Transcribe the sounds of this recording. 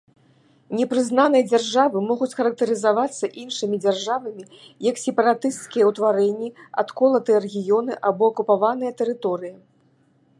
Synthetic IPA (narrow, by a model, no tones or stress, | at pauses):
nʲɛpɾɨzn̪anɨjɐd͡zʲarʐavɨmɔɣut͡sʲxɐɾɐk̚t̪ɐɾɨzavat̪sːɐʔinʂɨmʲid͡zʲarʐavɐmʲi | jɐksʲɛpɐɾat̪ɨst̪kʲijɐwt̪vaɾɛnʲːiɐ̰t̪kɔlˠɐt̪ɨjɐɾɛɣʲijɔnɨʔabɔɐkupavanɨjɐt̪ɛɾɨt̪ɔɾɨjɐ